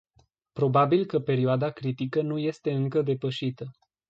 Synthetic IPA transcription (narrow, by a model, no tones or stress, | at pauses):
pɾo̞babilkəpe̞ɾioad̪akɾit̪ikənuje̞st̪e̞ɨŋkəd̪e̞pəʃit̪ə